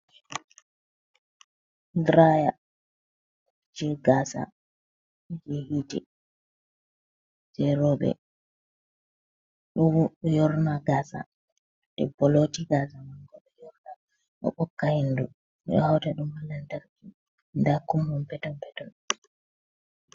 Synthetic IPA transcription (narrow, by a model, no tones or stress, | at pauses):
dɾaja | d͡ʒɛɡaːsa̰ | d͡ʒehitɛ̰ | sɛɾɔːɓɛ̰ | ɗɔjɔɾnaɡaːsa̰ | ɗɛ̰bɔlotiɡasamaŋɡɔɗɔjɔɾna | ɗɔ̰ɓɔkːahindu | ɗɔ̰hawtaɗumhalantaɾki | ndakumhɔmpɛtɔnpɛtɔn